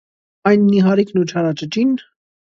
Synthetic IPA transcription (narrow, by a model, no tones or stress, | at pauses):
ɑjnmiɦɑɾiknut͡ʃʰɑɾɑt͡ʃət͡ʃin